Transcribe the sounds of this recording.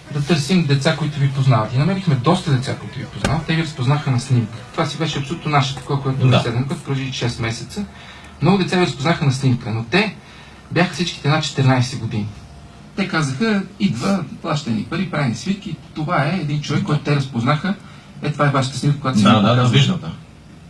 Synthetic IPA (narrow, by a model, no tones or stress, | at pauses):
d̪ɐt̪ɤɾsimd̪ɛt̪sakoit̪ʊvipoznavət̪inɐmɛɾixmɛd̪ɔst̪əd̪ɛt̪sakoit̪ʊvipoznavət̪t̪ɛviɾəspoznaxənɐsnimkə̥t̪ovasivɛʃɛɐpsolut̪nonaʃə̥t̪ɐ̥kɔvəkojɛt̪nsɛd̪ɛnokat̪opɾɛʒiʃɛst̪mɛsɛt̪sə | mnɔɡʊd̪ɛt̪aviɾɐspoznaxənɐsnimkənot̪ɛ | bʲjaxəfsit͡ʃki̥t̪ɛnat̪̚t͡ʃɛ̥t̪ɛɾnajsɛɡod̪ini | t̪ɛkazəxəid̪vəplˠaʃt̪ɛnḭpəɾipɾajnisvik̪it̪ovaɛːd̪int͡ʃovɛkːɔjt̪ʊt̪ɛɾɐspoznaxə | ɛt̪ovaɛvaʃə̥t̪əsnimkəkojat̪sd̪viʒnət̪ə